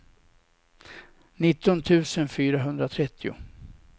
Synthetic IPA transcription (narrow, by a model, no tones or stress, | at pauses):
nɪt̪ːɔnt̪ʰʉ̟ːsənfyːɾaɦɵnd̪ɾat̪ʰɾɛt̪ʰːɪʊ̰